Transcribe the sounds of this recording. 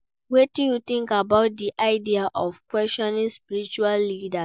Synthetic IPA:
wetĩjut̪ĩŋkabaʊt̚diʔaɪdiaʔɔfkwɛstɔnĩŋspiɹit͡ʃualːida

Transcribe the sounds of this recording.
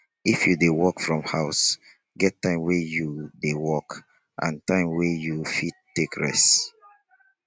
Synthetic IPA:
ifjudewɔkfɹɔ̃mhaʊs | ɡɛtːãɪ̃mwɛjudewɔk | ʔã̰ntãɪ̃mwejufid̚tːekɹɛ̰s

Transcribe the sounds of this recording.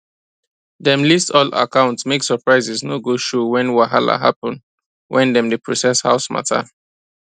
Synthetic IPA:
dɛ̃mlistɔla̰kʰãʊ̃ntsmeksəpɹaɪzɛsnoɡoʃɔwɛ̃nwaɦa̰la̰ɦa̰pɔ̃n | wʔɛ̃ndɛ̃mdepʰɹɔsɛsha̰ʊsma̰tʰa̰

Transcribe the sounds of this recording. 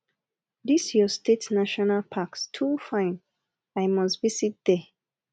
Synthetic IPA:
disjɔstʰetnaʃɔnalpʰakstʰufãɪ̃n | aɪmɔstvisit̚d̥ɛ

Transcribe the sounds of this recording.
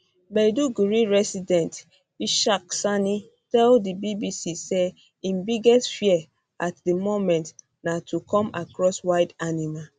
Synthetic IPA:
bɛduɡuɹiɹɛsidɛ̃nt | iʃak̚sani | tɛldibibisise | ĩnbiɡɛstfiɛ | atdimomɛ̃nt | natʰukɔ̃makɹɔswaɪdanima

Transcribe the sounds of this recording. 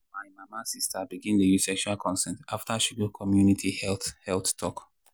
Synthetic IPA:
maɪmamasistʰabiɡĩndəjusɛkʃualkʰɔ̃nsɛ̃ntaftaʃiɡukʰɔmjunitʰihɛlthɛlttʰɔk

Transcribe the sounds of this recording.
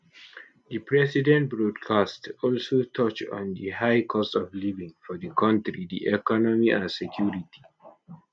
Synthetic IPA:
dəpɹɛsidɛ̃nt̚bɹɔdkʰastɔlsotʰɔt͡ʃɔ̰̃ndəhaɪkʰɔstɔvlivĩŋfɔdəkʰʌ̃ntɹidḭʔɛkɔnɔmiʔãnsɛkʰjuɹitʰi̥

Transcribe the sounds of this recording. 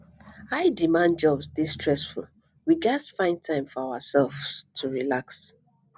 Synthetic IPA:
aɪdimãnd͡ʒɔbsdestɹɛsfṵl | wiɡasfãɪ̃ndtʰãɪ̃mfɔawasɛlvstʰuɹilaks

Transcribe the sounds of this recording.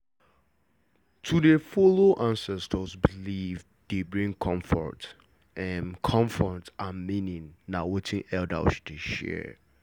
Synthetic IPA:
tʰudəfoloʔãnsɛstʰəsbiliv | debɹĩŋkʰɔ̃ɱfɔ̰t | ɛ̃nkʰɔ̃ɱfɔtamĩnɪ̃ŋnawetʰɪ̃ŋɛlda̰ʊʃdeʃɛ̰

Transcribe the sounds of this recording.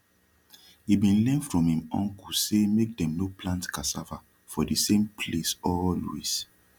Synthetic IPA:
hibĩnlɛ̃nfɹɔ̃mhĩmɔ̰̃ŋkusemek̚dɛ̃mnoplãntkasafa | fɔdisẽmpʰlesɔlwḛs

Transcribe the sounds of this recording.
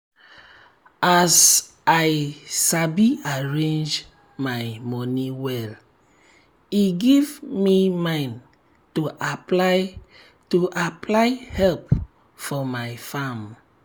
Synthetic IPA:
as | ajsabiaɹẽnd͡ʒ | majmɔ̃niwɛl | iɡivmimãɪ̃n | tuʔapla | tuʔaplaɪhɛlp̚ | fɔmajfãm

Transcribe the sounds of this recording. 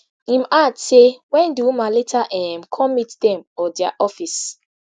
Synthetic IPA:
ĩmadsewɛ̃nduumaletʰaʔɛmkʰɔ̃mːitdɛ̃mɔdia̰ʔɔfis

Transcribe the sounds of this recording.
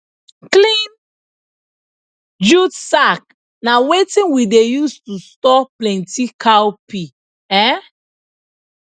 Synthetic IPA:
klĩn | d͡ʒudsak̚ | nawetĩnwidejustustɔplɛ̃ntikʰawpi | ɛ

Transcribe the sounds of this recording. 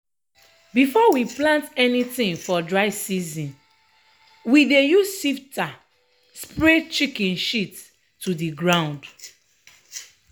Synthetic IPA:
bifɔwiplãntɛnitĩŋfɔdɹaɪsizĩn | widejussifta | spɹet͡ʃikĩnʃitː | udiɡɹãʊ̃nd

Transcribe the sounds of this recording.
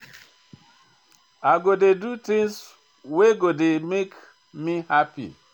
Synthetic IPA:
aɡodedut̪ĩŋs | weɡodemek | mihapḭ

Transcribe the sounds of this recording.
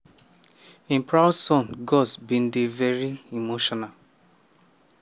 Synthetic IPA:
ĩmpʰɹaʊsɔ̃nɡɔsbĩn̩divɛɹiimoʃɔnal

